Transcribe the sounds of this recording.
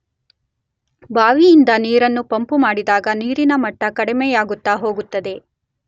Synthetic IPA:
bʱaːʋijːnd̪ɐniːɾɐnːupɐmpumaːɽid̪aːɡɐniːɾinɐmɐʈːɐkɐɽimeːjaːɡut̪ːaːɦo̞ːɡut̪ːɐd̪e̞

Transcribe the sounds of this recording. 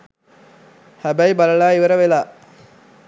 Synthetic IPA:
hæbæjbalɐɭaːiʋəɾəʋelaː

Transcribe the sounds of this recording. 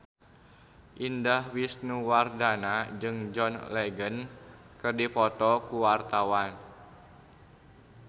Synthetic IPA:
ʔindahwisnuwardanad͡ʒɨŋd͡ʒɔnlɛɡən | kɨrdipɔt̪ɔkuwart̪awan

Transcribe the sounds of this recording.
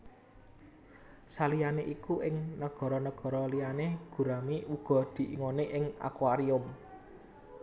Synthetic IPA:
salijaneʔikuʔɪŋnəɡ̥ɔ̤ɾɔnəɡ̥ɔ̤ɾɔlijaneɡ̥ṳɾamiuɡ̥ɔ̤d̪̥i̤ʔiŋoneʔɪŋa̰kwaɾiʊm

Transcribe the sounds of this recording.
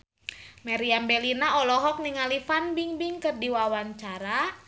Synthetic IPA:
maɾiambelinaɔlɔɦɔk̚niŋalifanbiŋbiŋkɨrdiwawaɲt͡ʃaɾa

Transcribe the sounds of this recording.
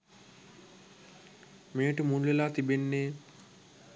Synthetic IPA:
meːʈəmunlelaːt̪ibenːe

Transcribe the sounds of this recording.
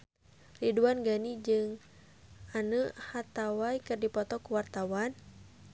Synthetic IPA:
riduanɡanid͡ʒɨŋ | anuhat̪awaikɨrdipɔt̪ɔkuwart̪awan

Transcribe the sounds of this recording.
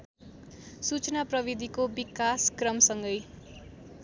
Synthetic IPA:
sut͡snaprʌbid̪ʱikobikaskrʌmsʌŋɡʌj

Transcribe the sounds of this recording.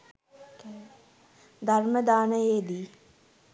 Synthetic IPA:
d̪ʱɐɾməd̪aːnəeːd̪iː

